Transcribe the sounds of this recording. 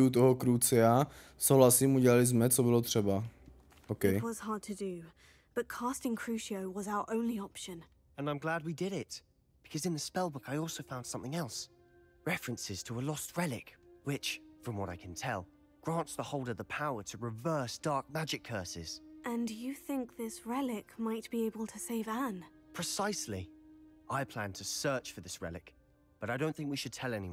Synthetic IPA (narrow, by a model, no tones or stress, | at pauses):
ut̪̬ɔɦɔkɾut͡sɛa | soʊɦlasimuɟɛlalɪzmɛt͡sɔbɪlɔt̪r̥ɛba | okɛjwʌz̥hɑɹd̚tʰɨdɨ | b̥ʌt̚kʰɑˑstɪ̃ŋkʰɹ̥ʉʃioʊwʌzaʊə˞ʔõʊ̃nliɑpʃɨ̃n | ɨ̃nãɪ̃mɡlæd̚widɪɾɪt̚ | b̥ɨ̥kʰʌzɨ̃nðɨspɛlˠbʊkaɪɔlˠsoʊfãʊ̃nd̥sʌ̃mθɪ̃ŋɛlˠs | ɹɛfɹɨ̃nsɪz̥tʰəəlɔst̚ɹɛlˠɪ̰kwɪt͡ʃfɹʌ̃mwʌɾaɪkʰn̩tʰɛ̰lˠ | ɡ̥ɹæ̃ntsðəhoʊlˠdəvðəpʰaʊə˞ɾɨɹɨvɜ˞sd̥ɑɹk̚mæd͡ʒɨkʰɜ˞sɪ̰z̥ʔɨ̃njɨθɪ̃ŋk̚ðɪsɹɛlɪkmaɪt̚b̥ieɪbəl̩ˠtʰɨseɪvə̃n | pʰɹ̥ɨsaɪsliʔaɪpʰl̥æ̃ntʰɨsɜ˞t͡ʃfə˞ðɪsɹɛ̰lˠɨk | b̥ʌɾaɪɾõʊ̃nθɪ̃ŋk̚wiʃɨd̚tʰɛlˠɛniw